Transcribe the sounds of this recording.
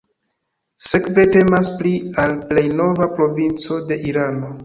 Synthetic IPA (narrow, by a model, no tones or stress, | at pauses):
se̞kve̞te̞masplialple̞jno̞vapɾo̞vint͡so̞de̞ʔiɾano̞